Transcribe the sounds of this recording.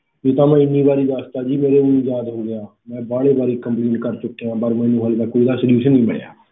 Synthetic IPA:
eːt̪ãːmɛ̃ːɪnːiːbaːɾiːd̪aːst̪aːd͡ʒiːmeːɾeːʊnĩːjaːd̪ɦoːɡɪjaː | mɛ̃ːbaːɽeːbaːɾiːkəmpleːɳʈkəɾt͡ʃʊkːeãːpəɾmɛ̃ːnũːɦəld̪aːkoːid̪aːsəljuːʃənːĩːmə̰ɽja̰ː

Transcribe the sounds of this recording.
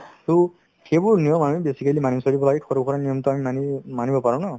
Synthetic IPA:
su | xebuɹnijɔmamibesikalimanisɔɾibɔlaɡikʰɔɾɔb̚kʰɔɾanijɔmt̪uamimanimanibɔpaɹãna

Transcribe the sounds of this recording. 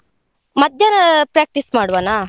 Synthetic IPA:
mɐd̪ʱjɐnɐpɾaːk̚ʈismaːɽʋanaː

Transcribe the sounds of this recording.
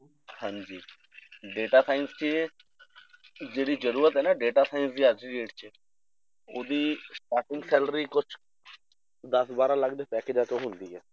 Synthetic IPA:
hãːɲd͡ʒiː | ɖeːʈaːsʰaːɪnst͡ʃe | d͡ʒeːɽiːd͡ʒəɾuːɾət̪ɦɛːnaːɖeːʈaːsʰaːinsd̪iːaiːɖeːʈt͡ʃe | oːd̪iːsʈaːɾʈɪ̃ŋɡsɛːləɾiːkʊt͡ʃʰ | d̪əsbaːɾãːləɡd̪eːpɛːkeːd͡ʒãːt̪õːɦʊ̃nd̪iːɦɛː

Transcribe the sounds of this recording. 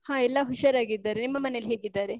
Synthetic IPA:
hãːɛlːɐɦuʃɐɾaːɡid̪ːaːɾenimːɐmɐnejlɦeːɡid̪ːaːɾe̞

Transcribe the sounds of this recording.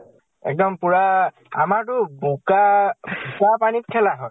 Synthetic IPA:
ɛ̰k̚dɔmpuɹa | a̰maɹtʊbukabʱukapanit̚kʰɛlaɦɔj

